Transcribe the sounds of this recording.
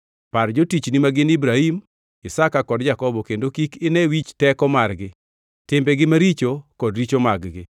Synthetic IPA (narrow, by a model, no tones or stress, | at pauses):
pard͡ʒotit͡ʃnimaɡɪnɪbɾahim | ɪsakakɔdd͡ʒakɔbɔkendokikɪnɛwit͡ʃtɛkɔmarɡɪ | tɪmbɛɡɪmaɾit͡ʃokɔdɾit͡ʃomaɡɡɪ̰